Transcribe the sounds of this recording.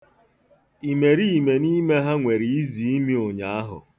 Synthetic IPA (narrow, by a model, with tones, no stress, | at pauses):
i˨me˨ɾi˦i˨me˨ni˦me˦ɦa˦ŋʷe˨ɾi˨i˦zi˨i˦mi˦o˨ɲa˨a˦ɦʊ̰˨